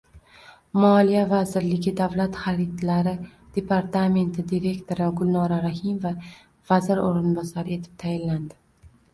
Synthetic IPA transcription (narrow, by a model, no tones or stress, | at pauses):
mɒlijavazɪɾlɪɡʲɪd̪avlat̪χaɾit̪laɾɪ | d̪̥e̞pʰaɾt̪ʰame̞nt̪ʰɪd̪iɾe̞kt̪ʰo̞ɾɪɡʊlˠnɒɾaɾahimova | vazɪɾoɾɪnbɒsaɾɪe̞t̪ʰɪ̥p̚t̪ʰajɪnland̪ɪ